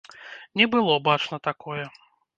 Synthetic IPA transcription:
nʲɛbɨlˠɔbat͡ʂnɐt̪akɔjɛ

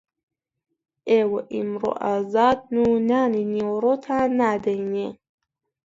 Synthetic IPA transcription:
ewʔimɾo̰ʔazad̪̚nunaniniwɾot̪ʰanad̪ane

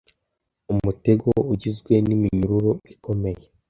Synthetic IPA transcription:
umute̞ɡo̞uɟizɡwe̞nimiɲuɾuɾoiko̞me̞je

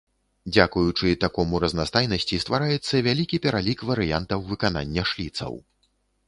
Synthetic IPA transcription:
d͡zʲakujut͡ʂɨt̪akɔmuɾɐznast̪ajnɐsʲt͡sʲist̪vaɾajɛt̪sːɐvʲalʲikʲipʲɛɾalʲikvɐɾɨja̰nt̪ɐwvɨkana̰nʲːɐʂlʲit̪sɐ̰w

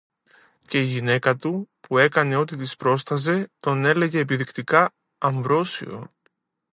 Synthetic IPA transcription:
ce̞iʝine̞kɐt̪upʰue̞kɐne̞o̞t̪̬it̪ispɾo̞st̪ɐze̞t̪o̞ne̞le̞ʝe̞ːpiðikt̪ikɐː | ɱvɾo̞sḭo̞̰

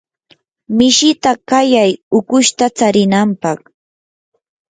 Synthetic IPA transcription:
mɪʃɪt̪akajajʊkʊʃt̪at͡saɾɪnampɑχ

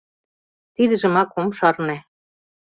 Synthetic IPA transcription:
t̪id̪ɘ̆ʒɘ̆mɑkomʃɑrne

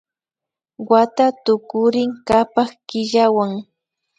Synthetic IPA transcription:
wat̪at̪ʊkʊɾɪŋkapaχkɪʎawaŋ

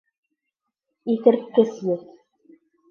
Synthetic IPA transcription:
iθɘ̆ɾt̪kɘ̆sjɘθ

